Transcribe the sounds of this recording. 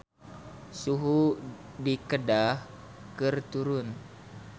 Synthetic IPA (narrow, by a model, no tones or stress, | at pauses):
suɦu | dikədah | kɨrt̪uɾun